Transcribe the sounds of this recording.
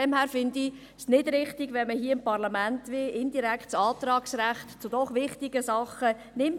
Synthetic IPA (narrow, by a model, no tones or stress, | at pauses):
ɛmhæːɾfɪndi | snɪdɾɪχtɪɡʋɛnməhiːəɪmpɑɾlɑmæntʋeʔɪndiɾæktt͡sɑːt̪ɾɑːksɾæχtt͡sʊd̥ɔχʋɪχtɪɡəsɑχə | nɪm